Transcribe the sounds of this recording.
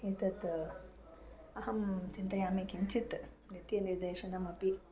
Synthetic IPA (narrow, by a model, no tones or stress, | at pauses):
it̪ɐt̪ | ɐɦɐmt͡ʃint̪ɐjaːmeːkiɲt͡ʃʰit̪ | nɐt̪jɐniɾd̪eːʃɐnɐmɐpi